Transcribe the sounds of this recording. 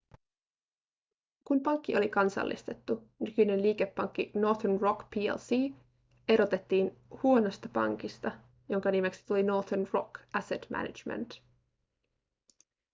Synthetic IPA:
kumpɑŋkːiʔo̞likɑnsɑ̰lːʔḭst̪e̞t̪ːu | nykynenliːke̞pːɑŋk̟ːino̞t̪nro̞kpʰiːḛlsiː | e̞ɾo̞t̪e̞t̪ːiːnhuo̞no̞st̪ɑpɑ̰ŋk̟ist̪ɑ | jo̞ŋkɑnime̞ksi̥t̪ulino̞t̪onro̞kæset̪mʔæ̰nḭd͡ʒmḛnt̪

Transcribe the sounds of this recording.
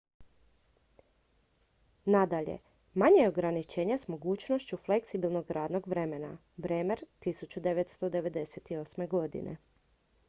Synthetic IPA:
nad̪aʎḛ | maɲejeoɡɾanit͡ʃeːɲesmo̞ɡuːt͡ʃnoʃt͡ɕufle̞ksibilˠno̞ɡɾaːd̪no̞ɡʋɾe̞mena̰ | bɾeːmeɾt̪isut͡ɕud̪eʋet̪st̪o̞d̪e̞ʋe̞d̪e̞set̪iosme̞ɡo̞d̪ḭnḛ

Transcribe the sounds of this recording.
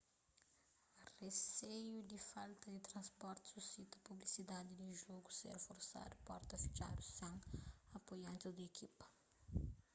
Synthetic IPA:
resejud̪ifalt̪ɐd̪it̪ɾɐ̃nspɔɾt̪susit̪ɐpublisid̪ad̪id̪iʒoɡusḛɾfoɾsa̰d̪upɔɾt̪ɐfi̥t͡ʃa̰d̪usɐ̃ŋɐpojɐ̃nt̪ɪzd̪ɐekʰipɐ̥

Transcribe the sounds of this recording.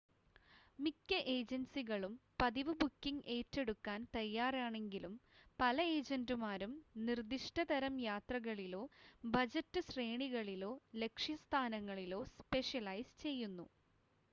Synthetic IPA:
mikːɐʔeːd͡ʑɐnsiɣɐɭumpɐðiʋɨbukːiŋɡʔe̞ːtːe̞ɽukːaːnt̪ɐjːaːraːɳe̞ŋɡilumpɐlɐeːd͡ʑɐndɨmaːɾumnird̪iʂʈɐd̪ɐɾɐmjaːt̪rɐɣɐɭilo̞ːbɐd͡ʑɐtːɨsreːɳiɣɐɭilo̞ːle̞kʂjɐst̪ʰaːnɐŋːɐɭilo̞ːspe̞ʂjɐlɐjst͡ɕe̞jːunːṵ

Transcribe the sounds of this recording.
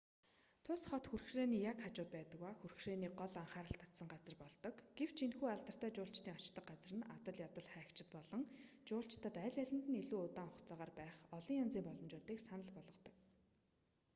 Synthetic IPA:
t̪ʰʊsχɔt̪xurxreːniːjakχat͡ɕʊːt̪̚pæːt̪ə̆kwaxurxreːniːɢɔɮaɴχaːɾə̆ɬt̪ʰḁt̪sə̆ŋɢat͡sə̆rpɔɮt̪ɞ̆kɡ̥ew̥t͡ɕʰinxuːaɮt̪ə̆r̥t̪æːt͡ɕʊːɬt͡ɕt̪iːŋɔt͡ɕt̪ə̆χqɢat͡s̆rɘ̆nat̪ə̆ɮjat̪ə̆ɮχæːkt͡ɕɪ̆t̪pɔɮɞ̆ŋt͡ɕʊːɬt͡ɕt̪ʰə̆t̪æːɮæɮʲɪ̆nt̪ɘ̆niɮuːʊt̪aːŋχɔχt͡saːʁaːrpæːχɔɮɞ̆ŋjant͡siːmpɔɮɞ̆mt͡ɕʊːt̪iːksanə̆ɮpɔɮɞ̆t̪ɞ̆k

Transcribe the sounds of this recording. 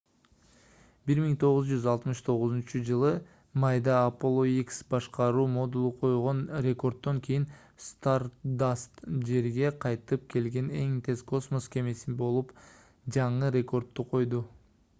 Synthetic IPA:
biɾmiŋt̪ʰo̞ʁuzd͡ʒyzɑlˠt̪mɯʃt̪ʰo̞ʁuzunt͡ʃud͡ʒɯlˠɯ | mɑjd̪ɑːpolˠoiksbɑʃqɑɾuːmo̞d̪ulˠuqʰo̞jʁo̞nɾʲe̞ko̞rd̪ːo̞ŋkʲʰejin | st̪aɾd̪ast̪d͡ʒe̞ɾɡe̞qʰɑjt̪ɯp̚kʰe̞lɡe̞ne̞ŋt̪ʰe̞zko̞smo̞skʲʰe̞me̞sinbo̞lˠup | d͡ʒɑɴɯɾʲe̞ko̞rt̪ːuqʰo̞jd̪u

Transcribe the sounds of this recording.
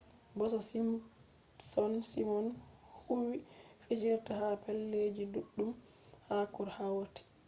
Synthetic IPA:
bɔsɔsi | sɔnsimɔnhuwifed͡ʒiɾtahapɛlːed͡ʒiduɗːum | hakɔɾhawotɛ̥

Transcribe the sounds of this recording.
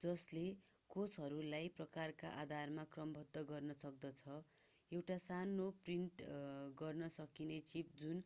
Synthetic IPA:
d͡zʌslekot͡sʰɦʌɾulajprʌkarka̰ʔad̪ʱarmakrʌmbʱʌd̪ːʌɡʌrnʌsʌk̚d̪ʌt͡sʰʌ | ewʈasanopriɳʈɡʌrnʌsʌkinet͡sip̚d͡zun

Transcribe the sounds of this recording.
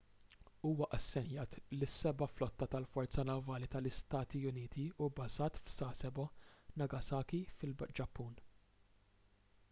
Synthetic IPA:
uːwɐʔɐsːɛnjɐːt̪lɪsːɛbɐflɔt̪ːɐt̪ɐlfɔɾt͡sɐnɐvɐːlit̪ɐlɪst̪ɐːt̪iʊniːt̪iʊbɐzɐːt̪fsɐːsɛbɔnɐɡɐsɐːkifɪld͡ʒɐpːuːn

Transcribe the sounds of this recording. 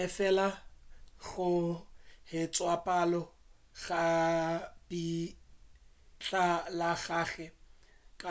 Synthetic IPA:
ɛfɛla | ɣʊ | hɪt͡sʼwapʼalɔ | ɣa | bi | t͡ɬalaɣaːɣɛkʼa

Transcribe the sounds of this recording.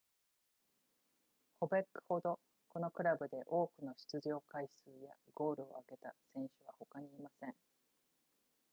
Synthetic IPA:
ho̞be̞kːɯ̥ho̞d̪o̞ | ko̞no̞kɯ̟ɾabɯ̟d̪e̞ʔo̞ːkɯ̟no̞ɕi̥t͡sɨʑo̞ːkaisɨːja̰ɡo̞ːɾɯ̟o̞̰aɡe̞t̪asẽ̞ɰ̃ɕɨβ̞aho̞kaɲ̟iːmasẽ̞ŋ

